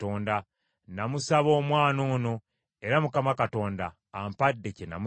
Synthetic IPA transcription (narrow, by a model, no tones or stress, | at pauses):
toːnda | namusaβo̞ːmwaːnoːno̞ | e̞ɾamukamakato̞ːndaː | mpadːecena̰mu